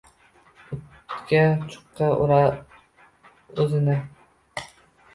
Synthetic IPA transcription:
ʊt̪kʲat͡ʃʰʊ̥qːɑʊ̰ɾɑ | ɵzɪnɪ

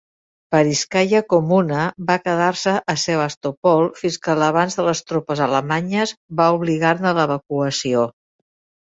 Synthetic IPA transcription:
pəɾiskajəkomunəβakəðaɾsəʔəseβast̪opɔlˠfinskələβ̞anzðələst̪ɾopəzələmaɲəzβauβliɣarnələβ̞əkuəsio

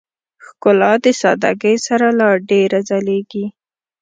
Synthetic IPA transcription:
xkʊlɑd̪əsɑd̪a̰ɡəjsaɾalɑɖeɾazaleɡi

